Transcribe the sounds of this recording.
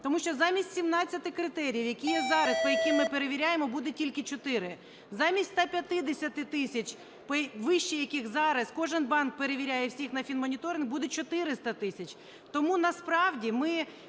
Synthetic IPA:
t̪ɔmuʃt͡ʃɔzɑmʲisʲtʲsʲimnɑt͡sʲɐt̪ɪkɾɪt̪ɛɾʲijiwjɐkʲijɛzɑɾɐspɔjɐkɪmːɪpeɾeʋʲiɾʲajemɔbud̪ɛtʲilʲkɪt͡ʃɔt̪ɪɾɪ | zɑmʲisʲt̪ʲt̪ɑpʲjɐt̪ɪd̪esʲɐt̪ɪt̪ɪsʲɐt͡ʃʲ | pɔʋɪʃt͡ʃɛjɐkɪxzɑɾɐskɔʒɪnbɑnk̚peɾeʋʲiɾʲajɛwsʲixnɐfʲinmɔnʲit̪ɔɾʲɪnɡbud̪ɛt͡ʃɔt̪ɪɾɪst̪ɐt̪ɪsʲɐt͡ʃʲ | t̪ɔmunɐspɾɑwdʲimɪ

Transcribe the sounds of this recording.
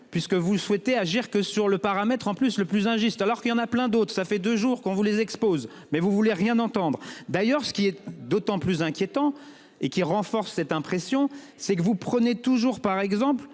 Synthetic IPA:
pɥiskəvuswɛt̪eaʒiʁkəsyʁləpaʁamɛt̪χɑ̃plysləplyzɛ̃ʒyst̪alɔʁkəljɑ̃naplɛ̃d̪ot̪χsafɛd̪øʒuʁkɔ̃vulezɛkspoz | mɛvuvuleʁjɛ̃nɑ̃t̪ɑ̃d̪ʁd̪ajœʁsə̥kʲiɛd̪ot̪ɑ̃plyzɛ̃kʲjet̪ɑ̃ | ekʲiʁɑ̃fɔʁsːɛt̪ɛ̃pχesjɔ̃ | sɛkəvupχənet̪uʒuʁpaʁɛɡzɑ̃pl

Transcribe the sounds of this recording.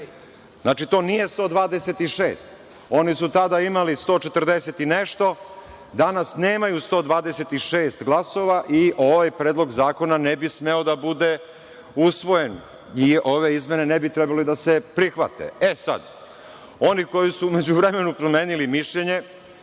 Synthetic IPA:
zznaːt͡ʃit̪o̞ːnije̞st̪o̞ːd̪ʋaːd̪e̞se̞t̪iʃḛːst̪ | o̞nisut̪ad̪aimalist̪o̞ːt͡ʃet̪əɾd̪eset̪ineʃt̪o̞ | d̪anasne̞ːmajust̪o̞ːd̪ʋaːd̪ese̞t̪iʃe̞ːst̪ɡlˠaso̞ʋaʔiʔo̞ʋajpɾeːd̪lˠo̞ɡzaːko̞nanebisme̞o̞d̪abud̪e̞ | usʋo̞je̞n | io̞ʋe̞izmʲje̞nenebit̪ɾɛbalid̪ase̞pɾixʋa̰t̪ḛesa̰d̪ | o̞niko̞jisuːme̞d͡ʑuʋɾeme̞nupɾome̞ːnilimiʃʎeɲe̞

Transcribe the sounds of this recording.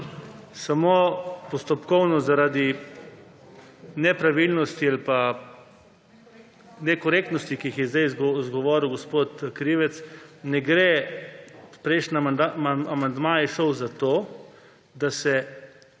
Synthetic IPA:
samopɔst̪ɔpkɔwnɔzaɾaːd̪i | nɛpɾaʋilnɔst̪ialpa | nɛkɔɾeːk̚t̪nɔst̪ikiixjɛzd̪ajzzɡɔʋɔːɾiwɡɔspoːt̪kɾiʋɛt̪snɛɡɾe | pɾɛɪʃnad̪aaamand̪maːjɛʃɔwzat̪oː | d̪asɛ

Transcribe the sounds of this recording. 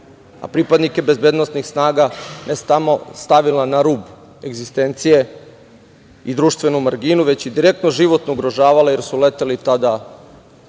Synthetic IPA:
a̰pɾipad̪nike̞be̞zbeːd̪no̞st̪nixsnaːɡanest̪amost̪aʋilanaɾuːb | e̞ɡzist̪e̞nt̪sije̞ | id̪ɾuːʃt̪ʋe̞numaɾɡinuʋe̞t͡ɕid̪iɾe̞k̚t̪noʒiʋo̞t̪nouɡɾoʒaːʋaleje̞ɾsulet̪elit̪ad̪a

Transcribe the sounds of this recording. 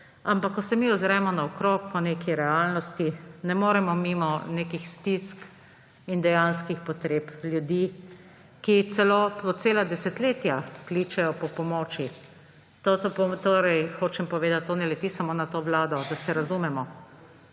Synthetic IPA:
ampakːɔsɛmiʊzɾɛmɔnaɔkɾoːkpɔneːkiɾɛalnɔst̪inɛmoːɾɛmɔmimɔnekixst̪isk | ind̪ɛjanskixpɔt̪ɾeːpljud̪i | kit̪sɛloɔt̪̚seːlad̪ɛsɛt̪leːt̪jaklit͡ʃɛjɔpɔpɔmɔt͡ʃi | t̪ot̪opɔt̪oːɾɛjxoːt͡ʃɛmpɔʋeːd̪at̪t̪ːoːnɛlɛt̪isamoːnat̪oːʋlaːd̪ɔd̪asɛɾazumɛmɔ

